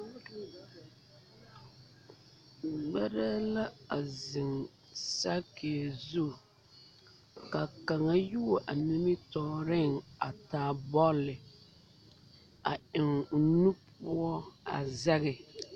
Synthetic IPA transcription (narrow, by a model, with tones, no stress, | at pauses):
ɡ͡bɛ˦ɾa˦la˦a˨zɪ˨ŋ | sa˦ke˨zu˦˨ | ka˨ka˨ŋa˦ju˦˨ʔa˨nɪ˦mɪ˦tɔː˨ɾɪ˦ŋa˨taː˨bɔ˦lːɪ˨ | a˨ɪ˨ŋʊ˨nu˦puʊ˦ɔ˦a̰˨zɛ˦ɣɪ˨